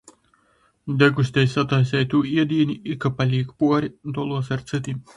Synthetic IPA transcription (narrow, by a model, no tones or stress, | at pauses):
d̪ʲɛɡus̬ʲt̪ʲɛjsʲat̪ajsɛjt̪uːiɛd̪ʲiːnʲiikapalʲiːkpuɔɾʲid̪ɔlˠuɔsaɾt̪sɨt̪ʲi